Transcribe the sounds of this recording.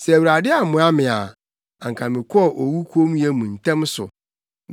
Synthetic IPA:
sɛ˨æ˨wu˨ɾa˨dɪ˦a˨mʊ̃˨˦a˦mɪ̃˨a̰˨ | ã˨ŋkʰã˨mɪ̃˨kʰɔ˦ɔ˦˨ʔo˨wu˦kʰo˦mũ˦ɛ˦mũ˨n̩˨tʰɛ̃˦m˦sʊ̰˨

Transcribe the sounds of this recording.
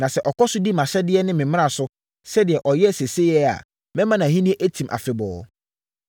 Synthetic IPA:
nã˨sɛ˦ʔɔ˨kʰɔ˦sʊ˦di˦mã˨ɕɛ˦dɪ˦ɛ˦nɪ̃˦mɪ̃˨mɪ̃˦ã˨sʊ˦ | sɛ˦dɪ˨ɛ˨ʔɔ˨jɛ˦˨se˨se˦jɛ˦a̰˨ | mɛ̃˦mã˦nã˨ɦĩ˦nĩ˦e˦ʔe˦tʰĩ˨mʔa̰˨fɾɪ˨bɔ̰ː˨

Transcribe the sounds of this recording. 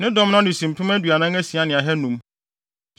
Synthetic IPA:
nɪ̃˦dɔ̃˨˦mnã˦nɪ̃˨sĩ˨m̩˨tʰʊ̃˦mæ˦dɥa˨nã˦ŋ˦ɛ˦si˨a˨nɪ̃˨a˨ɦɛ˦nũ˨m

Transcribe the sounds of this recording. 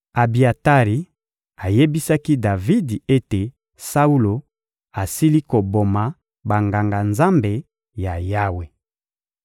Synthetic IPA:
a˨bi˨a˨ta˦ʁi˨ | a˨je˦bi˦sa˦ki˦da˨vi˦di˨e˦te˨ | sa˦u˦lo˨ | a˨si˦li˦ko˨bo˨ma˨ | ba˨ŋɡa˨ŋɡa˨nza˦mbe˨ | ja˨ja˦we˨

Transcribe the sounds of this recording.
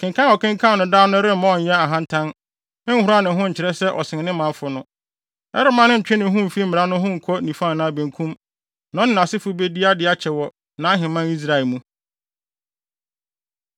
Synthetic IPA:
kʰɪ̃˨ŋkʰã˦ɔ˨kʰɪ̃˦ŋ˦kʰã˦˨nʊ̃˨daː˦nʊ̃˦ɾɪ˦m̩˦mã˦ɔ˨ɲ̩˨ɛ˦a˨ɦã˦n̩˦tʰã˦n | nɪ̃˦ŋ̩˦hʊ˦ɾa˦nɪ̃˨ɦʊ̃˦ɲ̩˨t͡ɕʰɪ˨ɾɛ˦sɛ˦ʔɔ̰˨sɪ̃˨ŋ˦nɪ̃˦mã˨ɱfʊ˨nʊ̃˦ | ɛ̰˦ɾɪ˦mã˦nɪ̃˦ɲ̩˨t͡ɕᶣɪ˦nɪ̃˨˦ɦʊ̃˦m̩˨fi˦m̩˨mɪ̃˨ɾa˦nʊ̃˦ɦʊ̃˦ŋ̩˨kʰɔ˦nĩ˨fã˦˨nã˨˦˨bæ̃˨ŋkʰũ˦m | nã˨˦nɪ̃˨na˨sɪ˦fʊ˦be˦di˦a˦dɪ˨˦a˦t͡ɕʰɛ˨wɔ˨ | nã˨˦ɦɪ̃˨mã˦ni˦s̬ɾa˨ɛ˨lmũ˦

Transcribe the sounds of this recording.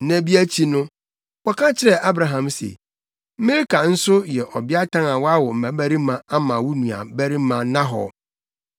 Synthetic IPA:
næ̃˨bi˦æ˦t͡ɕʰi˨˦nʊ̃˦ | kʷa˦kʰã˦t͡ɕʰɪ˦ɾɛ˨ʔa˦bɾa˨ɦã˨msḛ˨˦ | mẽ˦ɾi˦kʰa˨n̩˦sʊ˦jɛ˨ʔɔ˨bɪ˦a˦tʰã˦nã˨wa˦wɔ˨m̩˨æ̃˨˦bæ˦ɾi˦mã˦a˦mã˨wʊ˦nũ˨a̰˨bæ˦ɾi˦mã˨nã˦ɦɔ̰˨

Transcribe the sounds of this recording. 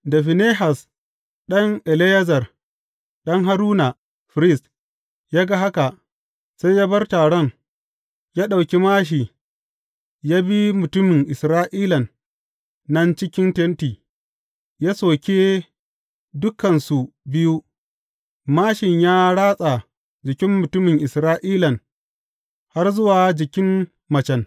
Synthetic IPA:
da˨ɸi˨neː˦ɦa˨s | ɗɐ˦ŋʔɛ˨le˦jɐ˦zɐ˨r | ɗɐ˦ŋɦa˦ɾuː˦na˨ | ɸɪ˨ɾɪ˦˨st | jaː˦ɡa˦ɦa˦ka˨ | sa˦jjaː˦bɐ˦rtaː˨ɽɔ˦ŋ | jaː˦ɗa˨wkʲi˦maː˦ʃ̬iː˨ | jaː˦bi˦mʊ˨tʊ˦mɪ˨ŋʔɪ˨sɾaː˦ʔiː˦lɐ˨nː | ɐ˦nt͡ʃɪ˦kʲɪ˦ntɛ˦ntiː˨ | jaː˦soː˨kʲeː˦ | dʊ˦kɐ˨nsu˨ | bɪ˦ju˦ | maː˦ʃɪ˨ɲjaː˦ɽaː˦sʼa˨ | d͡ʒɪ˨kʲɪ˦mːʊ˨tʊ˦mɪ˨ŋʔɪ˨sɾaː˦ʔiː˦lɐ˨n | ha˦rzʊ˦waː˨d͡ʒɪ˨kʲɪ˦n | mɐ˨t͡ʃɛ˨n

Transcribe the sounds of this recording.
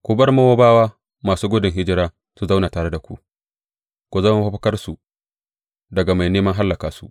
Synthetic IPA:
kʷu˨bɐ˦rma˦wɐ˦baː˦waː˦ | maː˨suː˦ɡʷʊ˦dʊ˨ŋɦɪ˦d͡ʒɪ˦ɽaː˦ | su˨za˦wnaː˨taː˨ɽe˦da˨kʷṵ˦ʔ | kʷu˨za˦m˦ɸɐ˦ɸɐ˦kɐ˦rsu˨ | dɐ˨ɡa˨ma˨jneː˦mɐ˦ŋɦa˦lːɐ˨kaː˨su˦ʔ

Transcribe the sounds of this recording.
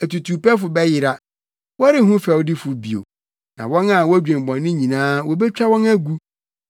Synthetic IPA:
æ˨tu˨tʰu˨pɛ˦fʊ˨bɛ˦jɪ˨ɾa˨ | wɔ˦ɾɪ˦ɦũ˦fɛ˨wɔ˦dɪ˦fʊ˨bi˨o̰˨ | nã̰˨wɔ̃˦na˦˨wɔ˦æ˦d͡ʑᶣẽ˨m˨bɔ̃˨nː˦ɪ̃˦ɲĩ˨nãː˦wɔ˨bɛ˦t͡ɕᶣa˦wɔ̃˦næ˦ɡu˦

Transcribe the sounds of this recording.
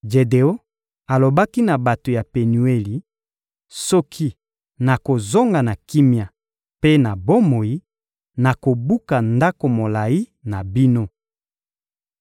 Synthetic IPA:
d͡ʒe˨de˨o˦ | a˨lo˨ba˦ki˦na˨ba˨to˨ja˨pe˨nu˨e˦li˨ | sɔ˦kʰi˦ | na˨ko˨zo˦ŋɡa˨na˨ki˦mja˨ | pe˦na˨bo˦mo˨ji˦ | na˨ko˨bu˦ka˨nda˦ko˨mo˨la˨ji˦na˨bi˦no˦

